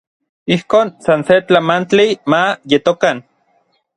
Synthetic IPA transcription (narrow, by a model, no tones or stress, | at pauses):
ihkoːnsanset͡ɬamant͡ɬimajet̪okan